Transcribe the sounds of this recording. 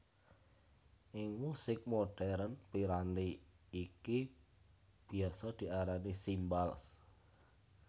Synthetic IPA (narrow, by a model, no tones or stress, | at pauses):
ʔɪŋmusɪk̚moɖ̥ɛɾnpiɾant̪iːki | b̥i̤asɔd̪̥i̤ʔaɾanisimbals